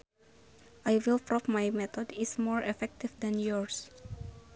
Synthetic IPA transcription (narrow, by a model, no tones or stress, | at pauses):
ʔajwilpɹɔp̚majmɛt̪ɔdismɔɹɛfɛk̚t̪ifdɛ̃njɔɹs